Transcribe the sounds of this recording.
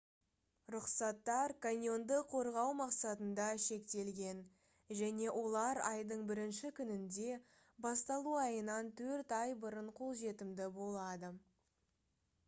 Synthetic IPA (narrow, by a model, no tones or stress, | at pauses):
ɾʊqsɑt̪ːɑɾkʰanʲjo̞nd̪əqʰo̞ɾʁɑwmɑqsɑt̪ənd̪ɑʃe̞kt̪e̞lɡʲe̞n | ʒæne̞wʔo̞lˠɑɾɑjd̪əɴbɪɾɪnʃɪkʲʰʏnɪnd̪e̞ | bɑst̪ɑlˠuɑjənɑnt̪ʰɵɾt̪ɑjbəɾəɴqʰo̞lˠʒe̞t̪ɪmd̪ɪbo̞lˠɑd̪ə